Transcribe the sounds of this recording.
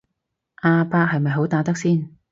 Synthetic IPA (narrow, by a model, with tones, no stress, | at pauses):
ʔaː˧paː˧k̚hɐ˨jmɐ˨jɦo˨˥wt̪aː˨˥t̪ɐ˥k̚siː˥˩n